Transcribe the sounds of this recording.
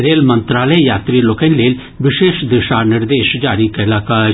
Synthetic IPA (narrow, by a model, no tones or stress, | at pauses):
ɾeːlmɐ̃nt̪ɾaːləjaːt̪ɾiloːkɛnleːl | ʋɪʃeːʃd̪ɪʃaːnɪɾd̪eːʃd͡ʒaːɾikɐlaːkaː